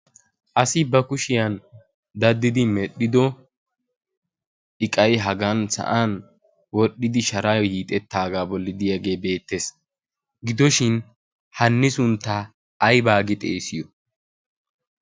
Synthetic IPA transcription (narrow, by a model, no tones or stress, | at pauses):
ʔɐsɪbɐkʊʃɪjɐn | d̪ɐd̪ːɪd̪ɪmɛɗːɪd̪ɔ | ɪkʼɐjɦɐɡɐnsɐ̰ʔan | wɔɗːɪd̪ɪʃɐɾajɔhiːt̪ʼɛt̪ːaːɡaːbɔlːɪd̪ɪjaɡe̞ːbe̞ːt̪ːes | ɡɪd̪ɔʃɪn | hɐnːɪsʊnt̪ːaː | jbaːɡɪt̪ʼeːsɪjɔ